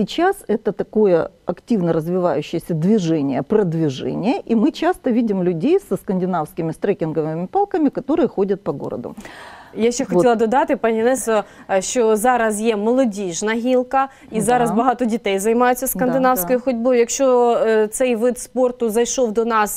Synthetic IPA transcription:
sʲɪt͡ɕasɛt̪ət̪ɐko̞jə̰ɐktʲivnəɾəzvʲɪvajʉɕːɪjəsʲɐd̪vʲɪʐɛnʲɪjəpɾɐd̪vʲɪʐɛ̰nʲɪjəʔimɨt͡ɕast̪əvʲidʲɪmlʲʉdʲejsəskəndʲɪnafskʲɪmʲɪst̪ɾɛkʲɪnɡəvɪmʲɪpalˠkəmʲɪkɐt̪o̞ɾɨjəxo̞dʲɐt̪̚pɐɡo̰ɾə̰d̪ʊ̰jaʃʲt͡ʃːɛxɔilˠɐd̪ɔd̪ɑt̪ɪpɐnʲinɛsɐʃt͡ʃɔzɑɾɐsjɛmɔlˠɔdʲiʒnɐɦʲilˠkɐ | izɑɾɐzbɐɦɑt̪ɔdʲit̪ɛjzɐjmɑjʊt͡sʲːɐsdkɐnd̪ɪnɑwsʲkɔjʊxɔdʲbɔjʊjɐkʃt͡ʃot̪sɛjʋɪt̪sport̪ʊzɐjʃowd̪ɔnɑs

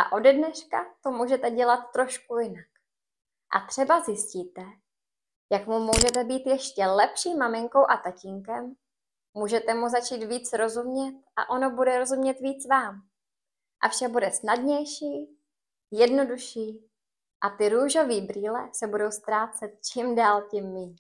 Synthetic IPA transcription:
ʔa̰ʔo̞dɛdnɛʃkat̪o̞muːʒɛt̪ɛɟɛlat̪ːɾo̞ʃkujɪnak | ʔa̰t̪r̝̥ɛbazjɪsciːt̪ɛ | jakmumuːʒɛt̪ɛbiːt̪jɛʃcɛlɛpʃiːmːamɪŋko̞wʔat̪acɪŋkɛm | muːʒɛt̪ɛmuzat͡ʃiːt̪viːt͡sɾo̞zumɲɛt̪̚ʔa̰ʔo̞no̞budɛɾo̞zumɲɛt̪viːt͡svaːm | ʔafʃak̚budɛsnadɲɛjʃiː | jɛdno̞duʃiː | ʔat̪ɪɾuːʒo̞viːbɾiːlɛsɛbudo̞wst̪ɾaːt͡sɛt̪̚t͡ʃiːmdaːlcimːiːɲ

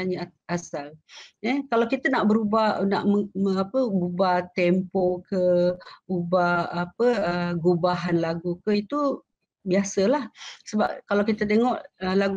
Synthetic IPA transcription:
aɲə | asaləkalawkit̪ənaʔbəɾubana̰ʔməəapəɡubat̪ɛmpokəubaapəəɡubaɦanlaɡukəit̪u | biasəlahsəba̰p̚kalawkit̪ət̪̬eŋɔʔəlaɡ

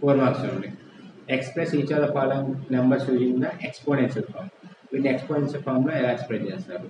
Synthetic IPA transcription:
poːɾmaːksɐmi | ekspɾesit͡ʃaːlɐpaːlɐmnɐmbɐɾsjuːd͡ʒiŋɡnɐʔekspoːnenʃɐlpʰa̰ːɾm | ʋinːiekspoːnensɐlpʰaːɾmloɛlaːspɾet͡ʃeːst̪aːɾu

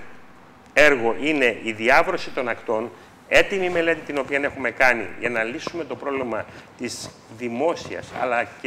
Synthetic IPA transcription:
e̞ɾɣo̞ʔine̞ʔiðiɐvɾo̞sit̪o̞nɐkt̪o̞n | e̞t̪imime̞le̞t̪it̪ino̞piɐne̞xume̞kɐnḭʝɐnɐlisume̞t̪o̞pɾo̞vlimɐt̪iz | ðimo̞siɐ̰sɐ̰lɐ

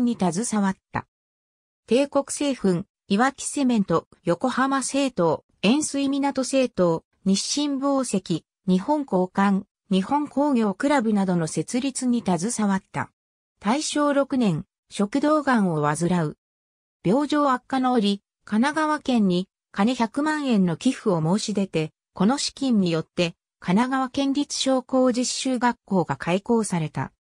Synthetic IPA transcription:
ɲ̟ːit̪azɨsaβat̪ːa̰ | t̪e̞ːko̞kɯ̟̥se̞ːɸɯ̟̃ŋ | iβakʲi̥se̞mẽ̞nt̪o̞ | jo̞ko̞hamase̞ːt̪o̞ː | ẽ̞ɰ̃sɨimʲinat̪o̞se̞ːt̪o̞ː | ɲ̟iɕːĩmbo̞ːse̞kʲi | ɲ̟ihõ̞ŋko̞ːkãŋ | ɲ̟ihõ̞ŋko̞ːɡʲjo̞ːkɯ̟ɾabɯ̟nad̪o̞no̞se̞t͡sɨɾʲit͡sɨɲ̟it̪azɨsaβat̪ːa̰ | t̪aiɕo̞ːɾo̞kɯ̟nẽ̞ŋ | ɕo̞kɯ̟d̪o̞ːɡãɰ̃o̞βazɨɾaɯ̟ | b̥ʲo̞ːʑo̞ːakːano̞ːɾʲi | kanaɡaβakẽ̞ɲ̟ːi | kaneçakɯ̟mãɰ̃ẽ̞nːo̞kʲiɸɯ̟o̞mo̞ːɕid̪e̞t̪e̞ | ko̞no̞ɕi̥kʲĩɲ̟ːijo̞t̪ːe̞ | kanaɡaβakẽ̞ɲɾʲit͡sɨ̥ɕo̞ːko̞ːʑiɕːɨːɡakːo̞ːɡakʰaiko̞ːsaɾe̞t̪a̰

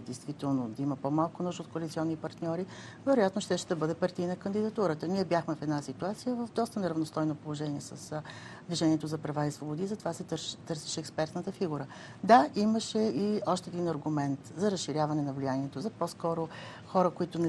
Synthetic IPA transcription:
d̪ɛjst̪vit̪ɛlˠnod̪ɐiməpɔmalˠkʊnuʃt̪ot̪̚koɐlit̪siɔnːipɐɾt̪nʲɔɾi | vɛɾojat̪noʃt̪ɛʃɛd̪ɐbɤd̪ɛpɐɾt̪iinɐkənd̪id̪ɐt̪uɾət̪əniɛbjaxmɛfɛd̪nasit̪uat̪sijəvəvd̪ɔst̪ənɛɾɐvnost̪ɔjnopolˠoʒɛniɛsɐs | d̪viʒɛniɛt̪ʊzɐpɾɐvaisvobod̪izɐt̪ovasɛt̪ɤɾsi̥ʃɛːkspɛɾt̪nət̪əfiɡuɾə | d̪aiməʃɛiɔʃt̪ɛd̪inɐɾɡʊmɛnt̪zɐɾɐsʃiɾʲjavɐnɛnɐvlʲijaniɛt̪ozɐpɔskɔɾʊ | xɔɾəkoit̪ʊnɛ

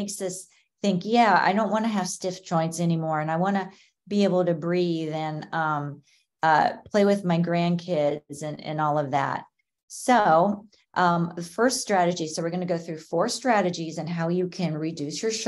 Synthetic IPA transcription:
ɪksʌs | θɪ̃ŋkjæa̰ɪɾõʊ̃nʔwɑ̃ñɨɨv̥stɪfd̥ʒ̥ɔ̃ɪ̃ntsɛnimɔɹɨ̃naɪwɑ̃nɨ | bieɪbl̩ˠtɨbɹiðɨ̃nʌ̃m | ʌpʰl̥eɪwɨðmaɪɡɹæ̃nkʰɪdzɨ̃nɨ̰̃nɔlˠʌvðæ̰t̚ | soʊ | ʔʌ̃mðəfɜ˞ststɹ̥æɾɨd͡ʒisoʊwɨɹɡʌnɨɡoʊθɹʉfɔɹstɹ̥æɾɨd͡ʒizɨ̃nɦaʊjɨkʰɨ̃nɹidʉsjə˞ʃ

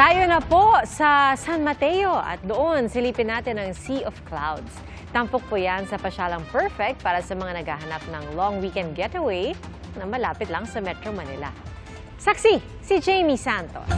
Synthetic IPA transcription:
t̪aːjonɐposɐsanmɐt̪ɛjo̞ʔɐ̰t̪̚d̪oʔonsɪliːpɪnaːt̪ɪnɐŋsiʔofkla̰wd̪s | t̪ɐmpok̚pojansɐpɐʃaːlɐŋpɛɹfɛk̚t̪̚paːɾɐsɐmɐŋanɐɡa̰ɦɐnap̚nɐŋlɔŋwikɛnd̪̚ɡɛt̪ɐwej | nɐŋmɐlaːpɪt̪lɐŋsɐmɛt̪ɾomɐnɪlɐ̰ | sɐksi | sid͡ʒejmisant̪o̞̰s

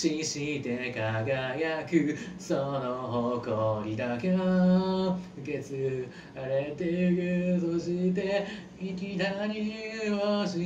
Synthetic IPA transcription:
ɕiɕit̪ekaɡajakɯ̟sonoɦokoɾʲid̪akeo | ɯ̟ke̞t͡sɨ | aɾet̪ekɯ̟soɕit̪e | ikʲit̪aɲʲioɕi

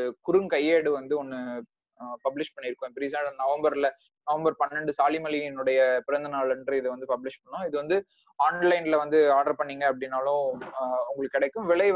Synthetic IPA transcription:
kʊɾɯŋkɐjːeːɽɯʋɐnd̪ɯɔnːɯ | pɐblɪʂpɐɳːɪɾɯkːʊ̃ɛpːɾiːsaːɐnɐʋɐmbɐɾlɐ | nɐʋɐmbɐɾpɐnːɐɳɖɯsaːlimɐliɛnːɯɽɐjɐpɪɾɐnd̪ɐnaːɭɛndrɯɪðɯʋɐnd̪ɯpɐblɪʂpɐɳːʊ̃ɪðɯʋɐnd̪ɯ | aːnlɐɪnɪlɐʋɐnd̪ɯaːɖɐɾpɐɳːiːŋɡɐːp̬ːɐɽɪnːaːlʊ̃ʊŋɡɐɭɯkːɪɽɛkːɯ̃mʋɪɭɐɪ

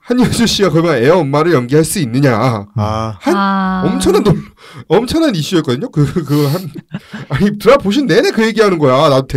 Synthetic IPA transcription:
haɲad͡ʑuɕ͈iɡakʌmane̞ʌmːaɾɯɭjʌŋɡiɦaɭs͈uinːɯɲa | hanʌmt͡ɕʰʌnano | ʌmt͡ɕʰʌnaniɕ͈ujek͈ʌdɯɲːokɯkɯhanaɲitɯɾapoɕ̬ʰinːe̞nekɯje̞ɡiɦanɯnɡʌjaanatʰe

